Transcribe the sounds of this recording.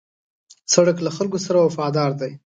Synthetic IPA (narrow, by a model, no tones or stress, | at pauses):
saɽəklaxalkosaɾawafɑd̪ɑɾd̪aj